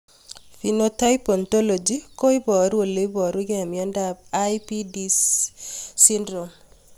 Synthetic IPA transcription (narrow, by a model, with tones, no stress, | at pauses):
fi˨nota˦jpɔ˨nto˦lo˨d͡ʒiko˦i˦bɔ˨ɾo˨le˦bɔ˨ɾwu˦ɡɛ˨mjɔ˦nda˦b̚ajpi˦dis | si˦ndɾo˨m